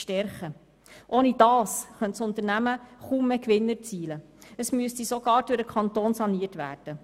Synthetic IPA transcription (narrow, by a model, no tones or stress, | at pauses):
ʃtɛɾχə | ʔoːnid̥ɑːsχœntsʊnt̪əɾnæməχuːmːekʋɪnːəɾt͡siːlə | əsmyəstisoɡɑːɾd̥ʊɾəkʰɑnt̪oːnsɑniətʋæ̰ːrd̥ə